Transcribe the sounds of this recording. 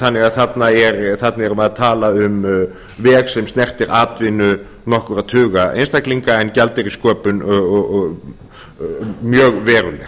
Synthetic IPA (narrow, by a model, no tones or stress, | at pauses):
θanːɪɣaðθat̪naɛɾθat̪naɛɾʏmaðt̪ʰaːlaʏm | vɛːɣsɛmst̪nɛr̥t̪ɪɾʔaːt̪vɪnʏ | nɔhkʏɾat̪ʰʏːɣaʔḛjnst̪akliŋkaɛncalt̪ɪɾiskœːpʏn | mjœːɣvɛːɾʏ̰lɛ̰